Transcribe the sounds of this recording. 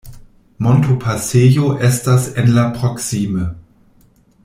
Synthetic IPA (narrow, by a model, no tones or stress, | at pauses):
montupʰasejoʔɛstasenlapʁoksimə